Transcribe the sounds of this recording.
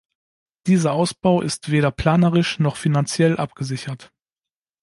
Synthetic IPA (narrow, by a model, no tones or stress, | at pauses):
d̥iːzɐʔaʊsb̥aʊʔɪstv̥eːɾɐpʰl̥aːnəʁɪʃnɔχfinant͡sjɛlʔap̚ɡ̥əzɪçɐt